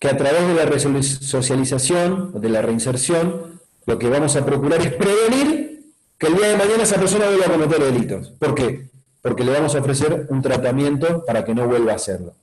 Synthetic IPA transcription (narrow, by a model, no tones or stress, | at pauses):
keat̪ɾaβ̞e̞ɦðe̞laresso̞sjalisasjo̞noðe̞lare̞inseɾsjo̞n | lo̞ke̞β̞amo̞sapɾo̞kuɾaɾe̞hpɾe̞βe̞niɾ | keːld̪iaðemaɲanaesapeɾso̞naβwe̞lβako̞met̪̬eɾðe̞lit̪o̞spo̞ɾke | po̞ɾke̞le̞β̞amo̞saofɾe̞s̬eɾunt̪ɾat̪amje̞nt̪o̞paɾake̞no̞βwe̞lβaːsḛɾlo